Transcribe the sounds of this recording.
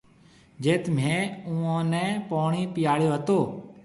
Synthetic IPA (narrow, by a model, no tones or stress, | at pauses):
d͡ʒeːt̪m̤ẽːũːãːnɛ̃ːpoːɳiːpɪjaːɽjoːɦət̪oː